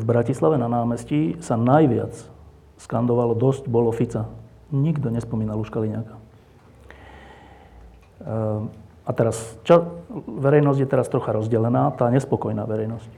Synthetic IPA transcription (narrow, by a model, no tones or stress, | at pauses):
vbɾacislaʋɛnanaːmɛscisanajʋɪa̰t͡s | skand̪ɔʋalɔd̪ɔscbɔlɔfit͡sa | ɲiɡd̪ɔɲɛspɔmiːnaluʃkaliɲaka | at̪ɛɾast͡ʃaʋɛɾɛjnɔzɟjɛt̪ɛɾast̪ɾɔxaɾɔzɟɛlɛnaːt̪aːɲɛspɔkɔjna̰ːʋɛɾɛjnɔsc